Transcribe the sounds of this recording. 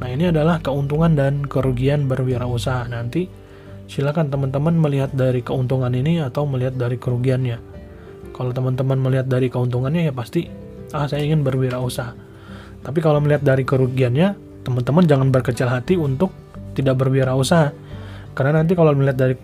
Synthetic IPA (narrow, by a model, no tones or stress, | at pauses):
nainiadalahkəunt̪uŋandankəɾuɡianbərwiaɾausaɦanant̪i | silakant̪əmənt̪əmənməliɦat̪̚daɾikəunt̪uŋaniniat̪awməliɦat̪̚daɾikəɾuɡianɲa | kalawt̪əmənt̪əmənməliɦat̪̚daɾikəunt̪uŋanɲajapast̪i | ahsajaiŋɪnbərwiaɾausaɦa | t̪apikalowməliɦat̪̚daɾikəɾuɡianɲa | t̪əmənt̪əmənd͡ʒaŋanbərkət͡ʃɪlɦat̪iunt̪ʊk̚ | t̪idaʔ̚bərwiaɾausaɦa | karənanant̪̬ikaloməliɦat̪̚daɾi